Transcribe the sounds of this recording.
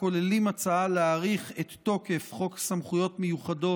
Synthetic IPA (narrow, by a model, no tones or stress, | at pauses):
ko̞lelimat͡saaleːʁiχet̪ːo̞ke̞fχo̞ksamχujo̞tmejuχado̞